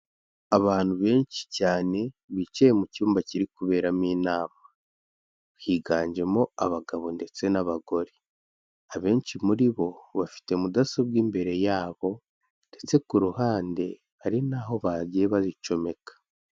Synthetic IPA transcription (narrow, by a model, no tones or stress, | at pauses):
aβaːn̥huβe̞ːɲt͡ʃi̥caːne̞βit͡ʃejemucuːmbaciɾikuβe̞ːɾamiːnaːma | hiːɡaːɲd͡ʒe̞moa̰βaɡaβo̞nde̞t͡se̞naβaɡo̞ɾi | aβe̞ːɲt͡ʃimuɾiβo̞βafi̥te̞mudasob̚ɡiːmbe̞ɾe̞jaːβo̞ | nde̞t͡se̞kuɾuhaːnde̞ | βaɾinaɦo̞βaɾɟeβazit͡ʃo̞me̞kḁ